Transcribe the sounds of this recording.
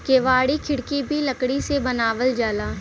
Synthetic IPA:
keːʋaːɽikʰɪɽkibʱilɐkɽisebɐnaːʋəld͡ʒaːlaː

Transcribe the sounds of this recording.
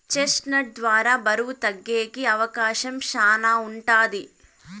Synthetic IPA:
t͡ʃesʈnɐʈ̚d̪ʋaːɾaːbɐɾuʋut̪ɐɡːeːkiɐʋɐkaːʃɐmʃaːnaːuɳʈaːd̪i

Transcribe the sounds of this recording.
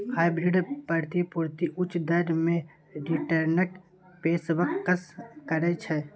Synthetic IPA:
haːjbɾɪɖpəɾt̪ipuɾt̪iʔʊt͡ʃʰd̪əɾmẽ | ɾiʈəɾnəʈ | peːsʋəkkːəskəɾɛt͡ʃʰɛ

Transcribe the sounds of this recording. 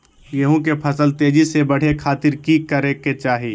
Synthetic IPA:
jɐɦõkepʰɐsəlt̪eːd͡ʒisebɐɽ̤ekʰaːt̪ɪɾkikɐɾeket͡ʃaːɦiː

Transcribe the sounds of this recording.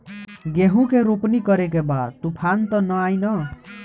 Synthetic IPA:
ɡeɦũkeɾupnikʌɾekebat̪upʰant̪ʌnʌajnʌ

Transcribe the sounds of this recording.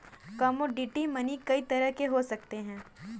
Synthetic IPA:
kɐmoɖiːʈimɐnikɐit̪ɐɾəɦkeɦosɐkt̪eɦɛ̃ː

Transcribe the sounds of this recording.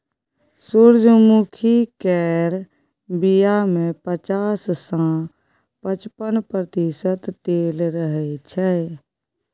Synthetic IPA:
suɾd͡ʒmukʰikɛːɾ | bijamẽpət͡ʃaːsːã | pət͡ʃpənpɾət̪isət̪t̪eːlɾəɦɛt͡ʃʰɛː

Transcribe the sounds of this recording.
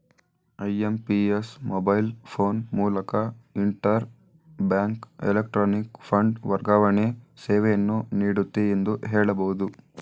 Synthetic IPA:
ɐjempiesmobɐjlpʰo̞ːnmuːlɐkɐiɳʈɐɾ | bjaːŋkḛlek̚ʈɾoːnikpʰɐɳɖʋɐɾɡaːʋɐɳeseːʋejɐnːuniːɽut̪ːeend̪uɦeːɭɐbɐɦud̪u

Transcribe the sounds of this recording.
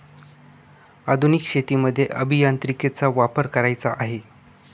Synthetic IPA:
ad̪ʱunikɕet̪iməd̪ʱːjeʔəbʱijant̪ɾiket͡saʋapəɾkəɾajt͡saʔaɦe

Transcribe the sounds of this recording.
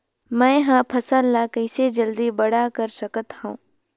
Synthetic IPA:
mɛ̃ːɦãpʰɐsalːakəɪsed͡ʒəld̪ibɐɽ̤akəɾsəkət̪hõː

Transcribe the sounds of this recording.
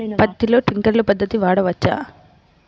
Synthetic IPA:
pɐd̪ɐtilo̞ːʈɾiŋkɐɾlupɐd̪ːɐt̪iʋaːɽɐʋɐt͡ʃːa̰ː

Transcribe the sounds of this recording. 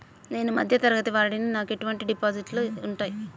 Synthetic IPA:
ne̞ːnumɐd̪ʱjɐt̪ɐɾɐɡɐt̪iʋaːɾɐɽininaːke̞ʈuʋɐɳʈiɖipaːd͡ʒiʈluuɳʈaːji

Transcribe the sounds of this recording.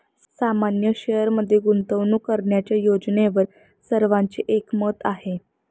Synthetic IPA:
samanjəɕejəɾməd̪ʱːjeɡunt̪əʋnuːkəɾɳjat͡ɕjajod͡ʑneʋəɾ | səɾʋaɲt͡ɕeʔekmət̪aɦe

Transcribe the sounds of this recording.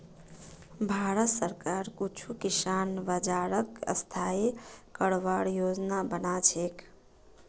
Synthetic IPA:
bʱaɾət̪səɾkaɾkut͡ʃʰukisanbəd͡ʒaɾəkə̰st̪ʰaekəɽʋaɽjod͡ʒnabənat͡ʃʰek

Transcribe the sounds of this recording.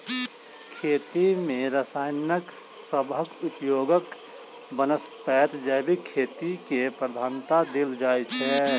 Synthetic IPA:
kʰeːt̪imẽɾəsaːɪnəksəbʱəkʊpjoːɡək | bənəspɛːt̪d͡ʒɛːbʱikʰːeːt̪ikepɾəd̪ʱaːnt̪ad̪ɪld͡ʒaːjt͡ʃʰɛ

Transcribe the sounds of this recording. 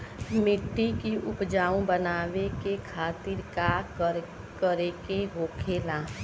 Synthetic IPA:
mɪʈːikiʔʊpd͡ʒaːõbənaːʋekekʰaːt̪ɪɾka | kəɾekeɦoːkʰeːlaː

